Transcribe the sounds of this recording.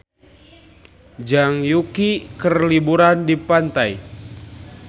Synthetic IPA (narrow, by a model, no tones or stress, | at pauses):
d͡ʒaŋjukikərlibuɾandipant̪aj